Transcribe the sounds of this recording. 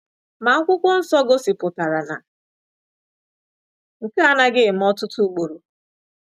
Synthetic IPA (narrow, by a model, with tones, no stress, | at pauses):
ma˨ŋ̩˦kʷʊ˦kʷɔ˦n̩˦sɔ˦ɡo˦si˨pʊ˨ta˨ɾa˨na̰˨ | ŋ̩˨ka˦a˦na˦ɡɪ˦˨m̩˦ɔ˦tʊ˦tu˦u˦k͡po˨ɾo˨